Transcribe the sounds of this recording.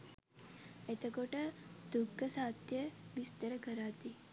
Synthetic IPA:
et̪əkoʈəd̪ukːəsat̪jəʋist̪əɾəkəɾat̪i

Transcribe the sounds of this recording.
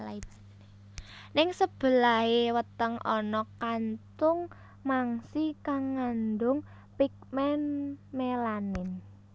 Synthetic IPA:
laib̥a | nɪŋsəb̥ə̤laɦewət̪əŋʔɔnɔkant̪ʊŋ | maŋsikaŋːand̪ʊŋ | pik̚mɛnmelanɪn

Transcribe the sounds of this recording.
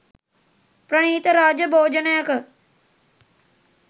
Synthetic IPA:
pɾɐɳ̃iːt̪ɐɾaːd͡ʒəbʱoːd͡ʒənɐjɐk

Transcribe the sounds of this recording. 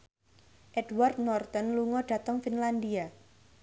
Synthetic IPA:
ʔɛd̥ward̪̚nɔrt̪ɔnluŋɔɖ̥ä̤t̪əŋfinland̪ia

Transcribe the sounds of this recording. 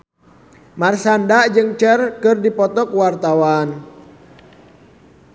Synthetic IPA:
marsandad͡ʒɨŋt͡ʃərkɨrdipɔt̪ɔkuwart̪awan

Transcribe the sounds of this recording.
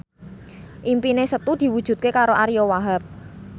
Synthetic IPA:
ʔimpinesət̪ud̪̥i̤wud̥ʒ̥ṳt̪̚kekaɾoʔaɾijowaɦap̚

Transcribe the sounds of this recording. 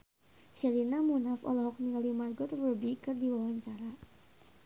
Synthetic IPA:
ʃɛlinamunafɔ̰lɔɦɔk̚nilimarɡɔt̪rubikɨrdiwawaɲt͡ʃaɾa

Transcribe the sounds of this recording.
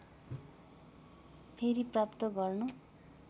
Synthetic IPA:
pʰeɾiprapt̪ʌɡʌrnu

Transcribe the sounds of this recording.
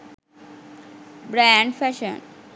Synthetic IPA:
bɾɛ̃ɳɖfɛʃə̰̃n

